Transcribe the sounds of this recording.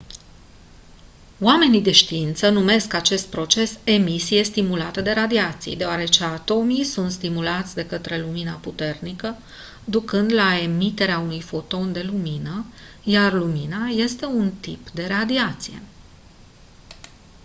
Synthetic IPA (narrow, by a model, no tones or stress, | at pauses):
wame̞nid̪e̞ʃt̪iint̪sənume̞skat͡ʃe̞st̪̚pɾo̞t͡ʃe̞se̞misije̞st̪imulat̪əd̪e̞ɾad̪iat̪sḭjd̪e̞oaɾe̞t͡ʃe̞at̪o̞mijsunt̪st̪imulat̪sʲd̪e̞kət̪ɾe̞luminaput̪e̞rnikə | d̪ukɨnd̪lae̞mit̪e̞ɾeaunujfo̞t̪o̞nd̪e̞luminə | jarluminaje̞st̪e̞unt̪ḭpd̪e̞ɾad̪iat̪sije̞̰